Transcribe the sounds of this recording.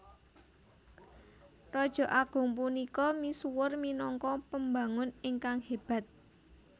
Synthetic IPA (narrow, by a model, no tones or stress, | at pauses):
rɔd̥ʒ̥ɔ̤ʔaɡ̥ʊ̤ŋp̬unikɔmisuwʊrminɔŋkɔpəmbaŋʊnɪŋkaŋheb̥ä̤t̪̚